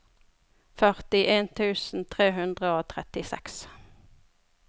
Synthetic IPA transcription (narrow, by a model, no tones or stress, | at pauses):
fœʁt̪ɪʔeːnt̪ʰʉːsn̩t̪ʰʁeːɦʉnd̪ʁəoːt̪ʰʁɛt̪ɪsɛ̰ks